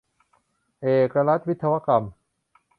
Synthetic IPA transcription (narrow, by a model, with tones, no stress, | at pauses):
ʔeː˨˩ka˧la˦t̪̚wi˦t̪ʰsa˧wa˦˥ka˧m